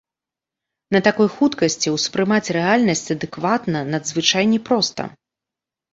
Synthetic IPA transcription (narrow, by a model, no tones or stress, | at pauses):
nɐt̪akɔjxut̪kɐsʲt͡sʲiwspɾɨmat͡sʲrɛalʲnɐsʲt͡sʲɐd̪ɨkvat̪nɐnɐd̪zvɨt͡ʂajnʲɛpɾɔst̪ɐ̰